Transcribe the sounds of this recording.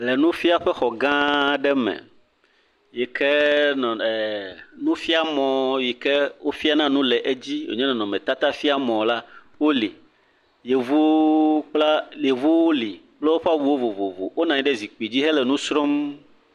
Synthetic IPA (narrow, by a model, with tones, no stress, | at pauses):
lɛ˨nũ˦fi˦a˦ɸɛ˦xɔ˨ɡã˦ɖɛ˦mɛ̰̃˨ | jɛ˨kʰɛ˦nɔ̃˨ɛ˨nũ˦fi˦a˦mɔ̃˨je˨kɛ˦wo˦fi˦a˦nã˦nũ˦lɛ˨ʔe˦d͡ʑi˦wḛ˨ɲɛ̃˦nɔ̃˨nɔ̃˨mɛ̃˨t̪a˦t̪a˦fi˦a˦mɔ̃˨la˦wo˦li˨ | je˨vu˦k͡pla˦le˨vu˦wo˦li˨ | k͡plɛ˦wo˦ɸa˦wu˦wo˦vo˨vo˨vo̰˨wo˦nã˨ɲĩ˦ɖɛ˦zi˨k͡pi˨d͡ʑi˦ɦɛ˦lɛ˨nũ˦sɾo˦m